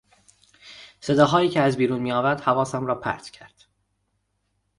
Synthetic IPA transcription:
se̞d̪ɒːɦɒːjiːcʰeæzbiːɾuːnmiːɒːvæɾd̪̥hævɒːsæmɾɒːpʰæ̰ɾt̪ʰcʰæɾd̪̥

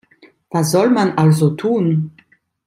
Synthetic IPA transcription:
v̥as̬z̥ɔlmanʔalzotʰuːn

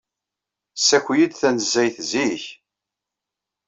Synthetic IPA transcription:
sːækʷːjid̪θænzːæjθziç

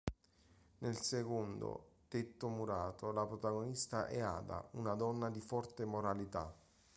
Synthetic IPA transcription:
nelsekond̪o̰t̪et̪ːomuɾaːt̪olapɾot̪aɡonist̪aʔɛa̰ːd̪a̰unad̪ɔnːad̪ifɔrt̪emoɾalit̪a̰

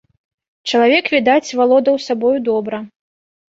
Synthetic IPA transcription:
t͡ʂɐlˠavʲɛkvʲid̪at͡sʲvalˠɔd̪ɐwsabɔjud̪ɔbɾɐ

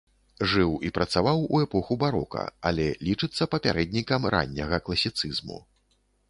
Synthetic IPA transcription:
ʐɨwipɾɐt̪savawuɛpɔxubaɾɔ̰kɐ̰a̰lʲɛlʲit͡ʂɨt̪sːɐpɐpʲaɾɛd̪ʲnʲikɐmɾʔa̰nʲːɐɣɐklˠɐsʲit̪sɨzmṵ

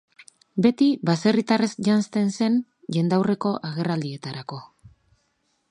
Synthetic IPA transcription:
be̞t̪iβase̞rit̪aresʝanst̪e̞nse̞n | ʝe̞nd̪awre̞ko̞ʔaɣe̞rald̪ie̞t̪aɾako̞

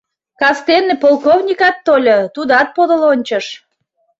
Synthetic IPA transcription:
kɑst̪enːepolˠkovnʲikɑt̪ːolʲot̪ud̪ɑt̪̚pod̪əlonʲt͡ɕəʃ

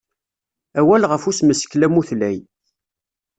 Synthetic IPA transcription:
æwælʁəfusməsklæmuθlæj

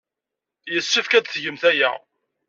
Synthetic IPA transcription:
jəsːifkæd̪θʝəmθæjæ̰

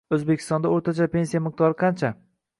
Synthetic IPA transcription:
ɵzbekʲʰɪ̥st̪ɒnd̪aoɾt̪ʰat͡ʃape̞nsijamɪq̚t̪ɒɾɪqʰɑnt͡ʃʰa

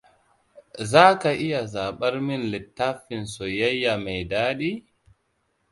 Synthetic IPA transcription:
zaːkaʔijazaːɓaɾminlɛtːafinsɔjajːamajdaːɗi

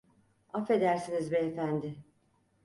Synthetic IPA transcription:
afe̞d̪æɾsinizbɛːfænd̪ɪ

